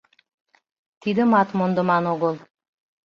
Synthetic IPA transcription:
t̪id̪ɘ̆mɑt̪mond̪ɤ̆mɑnoɡolˠ

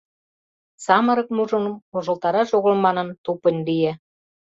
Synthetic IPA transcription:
sɑmə̆ɾɤ̆k̚muʒə̆nɤ̆moʒə̆lt̪ɑɾɑʃoɣə̆lmɑnɤ̆nt̪opə̆nʲlije

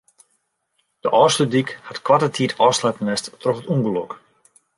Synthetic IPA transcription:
d̥əʔɔːstədikhatkwatətʰiːtʰɔːslɛtənɛsttrɔxətuŋɡəlɔk

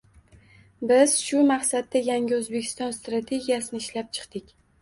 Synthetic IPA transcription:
bɪz̥ʃʊmaχsad̪ːajaŋʲɪɵzbe̞kʲʰɪ̥st̪ɒnst̪ɾat̪ʰe̞ɡʲijasɪnɪːʃlap̚t͡ʃʰɨ̥qt̪ɪkʲ

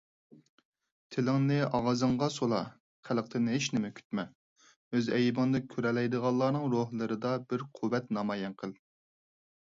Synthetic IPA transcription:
t̪ʰɪlɪŋnɪʔɑʁɑzɨŋʁɑsolˠɑ̰ | qʰælˠq̚t̪ʰɨnɪɦeʃnɪmɛkʲʰy̥t̪mɛ | øzɛjbɑnd̪ɨkʲʰøɾɛlɛjd̪əʁɑlˠːɑːnɨŋɾoɦlˠɨɾɨd̪ɑbɪɾqʰuwɛt̪nɑmɑːjɛnqʰəlˠ

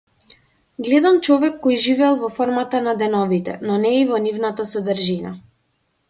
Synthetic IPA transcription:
ɡlɛd̪amt͡ʃɔvɛkːɔjʒivɛlˠvɔfɔɾmat̪anad̪ɛnɔvit̪ɛ̰nɔnɛivɔnivnat̪asɔd̪əɾʒina̰

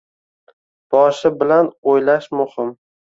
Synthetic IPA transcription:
b̥ɒʃɪbɪlanojlaʃmʊhɪm

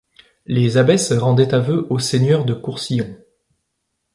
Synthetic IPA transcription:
lezabɛsʁɑ̃d̪ɛt̪avøʔosenjœʁd̪əkuʁsijɔ̃

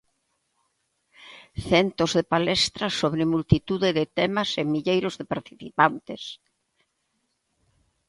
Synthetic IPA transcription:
θɛnt̪ozðepalɛst̪ɾasoβɾɪmult̪it̪uðeðɪt̪ɛmasemiʎejɾozðepaɾt̪i̥θipant̪es

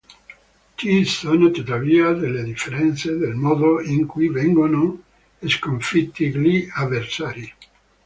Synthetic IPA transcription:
kisonot̪ut̪aviːad̪elːed̪ifeɾɛnt̪sed̪elmɔːd̪oiŋkujvɛŋɡono | eskoɱfit̪ːiɡliavːeɾsaːɾi

